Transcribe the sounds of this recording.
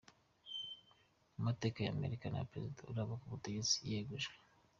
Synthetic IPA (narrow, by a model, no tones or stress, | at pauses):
umate̞ːkaja̰mḛɾikana̰pɾezidauɾaβakuβuteɡet͡si̥jeɡuʒɡwe